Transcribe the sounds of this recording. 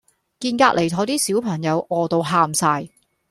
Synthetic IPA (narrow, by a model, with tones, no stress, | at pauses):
kiː˧nkaː˧t̚le˨jt̪ʰɔː˧t̪iː˥siː˨˥wpʰɐ˨˩ŋjɐ˨˧wɔː˨˧t̪o˧wɦaː˧msaː˧j